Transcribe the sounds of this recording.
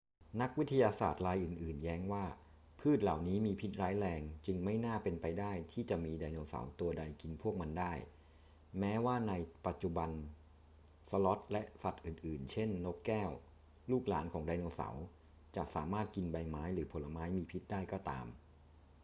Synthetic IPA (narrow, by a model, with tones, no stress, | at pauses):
na˦˥k̚wi˦˥t̪ʰa˧jaː˧sa̰ː˨˩t̪̚laː˧jʔɯː˨˩nʔɯː˨˩njɛː˦˥ŋwaː˥˩ | pʰɯː˥˩t̪̚la˨˩wniː˦˥miː˧pʰi˦˥t̪̚ɾaː˦˥jlɛː˧ŋt͡ɕɯ˧ŋma˥˩jnaː˥˩pe˧npa˧jdaː˥˩jt̪ʰiː˥˩t͡ɕa˨˩ʔmiː˧daː˧jnoː˧sa̰˩˦wt̪u˧ɐda˧jki˧npʰu˥˩ək̚ma˧ndaː˥˩j | mɛː˦˥waː˥˩na˧jpa˨˩t̪̚t͡ɕu˨˩ba˧n | sa˧lɔ˦˥t̪̚lɛ˦˥ʔsa˨˩t̪̚ʔɯː˨˩nʔɯː˨˩nt͡ɕʰe˥˩nːo˦˥kːɛː˥˩w | luː˥˩k̚la̰ː˩˦nkʰɔː˩˦ŋda˧jnoː˧sa̰˩˦w | t͡ɕa˨˩sa̰ː˩˦maː˥˩t̪̚ki˧nba˧jmaː˦˥jɾɯː˩˦pʰo˩˦lːa˧maː˦˥jmiː˧pʰi˦˥t̪̚daː˥˩jkɔː˥˩t̪a̰ː˧m